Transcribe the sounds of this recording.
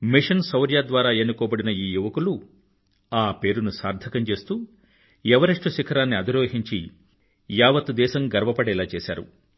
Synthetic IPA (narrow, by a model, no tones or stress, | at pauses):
miʂɐnsɐwɾjaːd̪ʋaːɾaːenukɔːbɐɽinɐiːjuʋɐkulu | aːpe̞ːɾunusaːɾd̪ʱɐkɐmt͡ʃe̞ːst̪uː | jɛʋɐɾiʂʈuʃikʰɐɾaːnːiɐd̪iɾoːɦiɲt͡ʃi | jaːʋɐt̪ud̪ɛːʃɐmɡɐɾʋɐpɐɽɛːlaːt͡ʃeːsa̰ːɾṵ